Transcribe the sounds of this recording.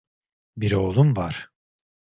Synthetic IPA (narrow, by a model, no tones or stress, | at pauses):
biɾo̞ːlˠumvaɾ̥